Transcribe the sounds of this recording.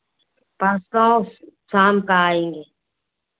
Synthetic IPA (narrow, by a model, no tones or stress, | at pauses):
paːst̪ãːõsaːmkaaːẽːŋɡeː